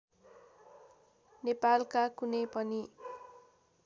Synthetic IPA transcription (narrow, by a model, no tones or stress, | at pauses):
nepalkakunepʌni